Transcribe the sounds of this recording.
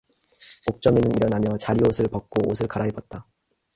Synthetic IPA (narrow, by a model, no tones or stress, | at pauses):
mok̚t͡ɕ͈ʌmenɯniɾʌnamjʌt͡ɕaɾiosʰɯɭpʌk̚k͈oosʰɯɭkaɾaɦibʌt̚t͈a